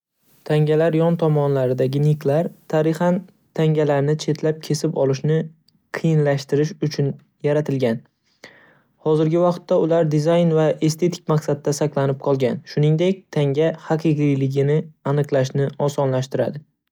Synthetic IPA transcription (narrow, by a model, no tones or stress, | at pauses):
t̪ʰaŋɡʲalaɾjɒnt̪ʰɒmɒnlaɾɪd̪aɡʲɪnikʰlaɾt̪ʰaɾɪχan | t̪ʰaŋɡʲalaɾnɪt͡ʃʰe̞t̪ʰlap̚kʲʰe̞sɪpɒlɪʃnɪ | qʰɨjɪnlaʃt̪ɪɾɪʃʊt͡ʃʰʊn | jaɾat̪ʰɪlɡʲan | hɒzɪɾɡʲɪvɑqt̪ːaʊlaɾd̪izajnvaʔe̞st̪ʰe̞t̪ʰɪ̥k̚ʲmaqsad̪̚d̪asaklˠanɪp̚qʰɒlˠɡʲanʃʊnɪŋd̪ekʲt̪ʰaŋɡʲahaqʰɨqijlɪɡʲɪnɪanɨqlˠaʃ̬nɪɒsɒnlaʃt̪ɪɾa̰d̪ɪ